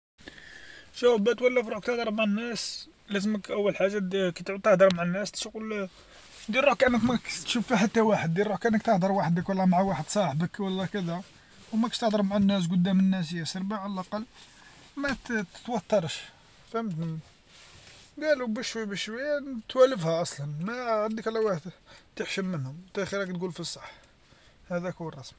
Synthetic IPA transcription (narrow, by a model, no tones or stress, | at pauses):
ʒæwbæt̪wælːəfɾˤuħk̚t̪əħd̪əɾˤmʕanːæs | læzəməkʔəwːəlħaʒːakæt̪ʕut̪əħd̪əɾˤmaʕanːæst̪ʃukl | d̪ilɾuħkʔənːəkmækt̪ʃufiħat̪ːæwaħəd̪ːilːuħkæʔænːəkt̪əħd̪əɾˤwaħəd̪əkwlˤːɑmaʕawaħəd̪sˤɑħəbəkwɑlˤːɑkæd̪æ | wmækənt̪əħd̪ˤəɾmaʕanːæs̬kʊd̪ːæmənːæs̬əjːæsəɾˤbiʕaləlʔɑqɑlː | mæt̪t̪wɑt̪ˤːɑɾˤʃ | fhmət̪ni | ɡælubəʃwæbəʃwəjːæt̪wæləfhæʔɑsˤlɑnmæʕand̪ikʕlːæwaħəd̪t̪əħʃəmːənhʊmt̪æxiɾækt̪ɡulfisˤɑħ | hæd̪ækuwərˤːɑsm